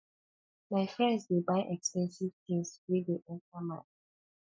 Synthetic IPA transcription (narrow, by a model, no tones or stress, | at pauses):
maɪfɹɛ̃ndswebaɪʔɛkspɛ̃nsiv̥tʰĩŋswideʔɛ̃ntamã̰n